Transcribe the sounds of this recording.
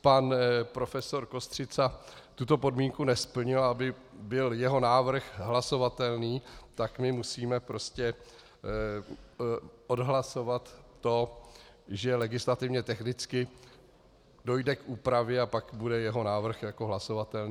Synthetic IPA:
panpɾo̞fɛso̞ɾko̞st̪r̝ɪt͡sat̪ut̪o̞po̞dmiːŋkunɛspl̩ɲɪlabɪ | bɪljɛɦo̞naːvr̩xɦlaso̞vat̪ɛlniːt̪akmɪmusiːmɛpɾo̞scɛ | ʔodɦlaso̞vat̪ː | o̞ | ʒɛlɛɡɪslat̪ɪvɲɛt̪ɛxnɪt͡skɪ | do̞jdɛkʔuːpɾavjɛapakbudɛjɛɦo̞naːvr̩xjakoɦlaso̞vat̪ɛlni

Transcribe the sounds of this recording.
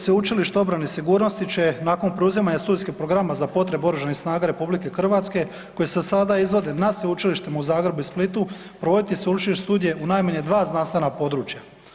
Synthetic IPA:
sʋeut͡ʃiliʃt̪eo̞bɾanesiɡuːɾno̞st̪it͡ʃe̞naːko̞npɾeuzimaɲast̪uːd̪ijskipɾo̞ɡɾamazapo̞t̪ɾe̞bo̞ɾuʒanisnaːɡaɾe̞publike̞xr̩ʋat̪ske̞ | ko̞jesesad̪aizʋo̞d̪e̞nasʋeut͡ʃiliʃt̪emauzaːɡɾebuisplit̪u | pɾoʋo̞d̪it̪iseut͡ʃiliʃst̪uːd̪ije̞ʔunajmaɲed̪ʋaːznanst̪enapo̞d̪ɾuːt͡ʃja

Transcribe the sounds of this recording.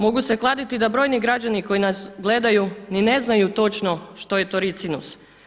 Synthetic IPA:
mo̞ɡuse̞klˠad̪it̪id̪abɾo̞jniɡɾad͡ʑaniko̞jinasɡle̞d̪ajunine̞znajut̪o̞t͡ʃno̞ʃt̪o̞jet̪o̞ɾit̪sinus

